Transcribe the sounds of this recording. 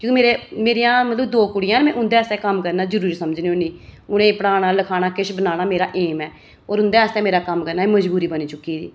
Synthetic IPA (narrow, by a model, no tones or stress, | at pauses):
kjõːkimeːɾeːmeːɾijãːmət̪ləbd̪oːkʊɽɪjãːnmɛ̃ːʔʊ̃nd̪eːəst̪ɛːkəmkəɾnaːd͡ʒəɾuːɾisəməd͡ʒneːoniːʊnẽːpəɽaːɽ̃aːləkʰaːɽ̃aːkɪʃbənaːɽ̃aːmeːɾaːʔeːmɛː | oːɾʊnd̪ɛːəst̪ɛ̃ːmeːɾaːkəmkəɾnaːɛːməd͡ʒbuːɾiːbəniːt͡ʃʊkːiːd̪ḭː